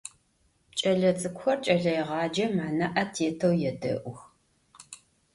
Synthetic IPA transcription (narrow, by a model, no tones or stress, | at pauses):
t͡ʃʼɐɮɐt͡sʼɨkʷxɐrt͡ʃʼɐɮɐjʁɑːd͡ʒɐmaːnɐʔɐtʰeːtʰɐwjɛdɐ̰ʔʷʊx